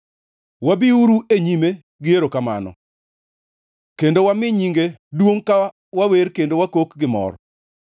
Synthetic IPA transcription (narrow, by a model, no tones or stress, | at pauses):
wabiuɾueɲime | ɡɪeɾokama̰nɔ̰ | kendowamɪɲiŋɡedwoŋka | waweɾkendowakokɡɪmɔ̰ɾ